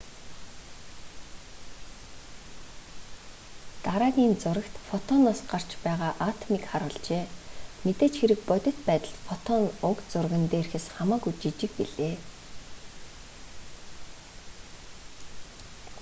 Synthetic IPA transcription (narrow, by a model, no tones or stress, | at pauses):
t̪aɾaːɣʲiːnt͡sʊɾə̆kt̪fɔt̪ʰɔnaːsɢar̥t͡ɕpæːʁaːʔat̪ʰmikχaɾʊːɮt͡ɕeːmet̪eːt͡ɕxeɾɘ̆k̚pɔt̪ʲɪ̆t̪̚pæːt̪ə̆ɬt̪fɔt̪ʰɔnʊkt͡sʊrɣə̆nt̪eːrxɘ̆sχamaːkut͡ɕit͡ɕɪ̆k̚piɮeː